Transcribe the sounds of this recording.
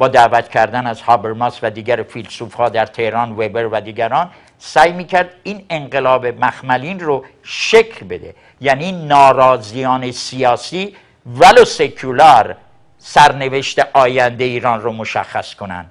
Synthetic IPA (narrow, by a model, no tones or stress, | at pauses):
b̥ɒːd̪æːvæt̪ʰcʰæɾd̪ænæz̥hɒːbeɾmɑːsvæd̪iːɡæɾfilsuːfhɒːd̪æɾt̪ʰe̞hɾɒːnvebeɾvæd̪iːɡæɾɒːn | sæjmiːcʰæɾd̪iːne̞ɴɢe̞lɒːbemæxmæliːnro | ʃekʰlbe̞d̪ḛ | jæninɒːɾɒːzijɒːnesijɒːsiː | vælosekʰulɑɾ | sæɾne̞veʃt̪eʔɒːjænd̪eiːɾɒːnromoʃæ̰xːæskʰo̞næ̰nd̪̥